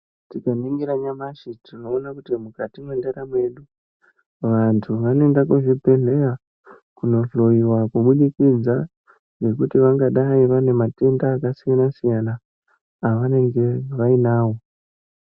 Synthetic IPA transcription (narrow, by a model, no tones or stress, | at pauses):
tikamiŋɡiɾaɲamaʃitino̞ːnakutimukatimwendeɾamwe̞ɗu | ʋantʰuʋanoe̞ndakuʐipe̞ne̞a | kuno̞ɬo̞iwakuɓunikid͡za | ne̞kutiʋaŋɡaɗaiʋane̞mate̞ndaːkasijanasijanaː | ʋane̞ŋɡe̞ʋainaːwo̞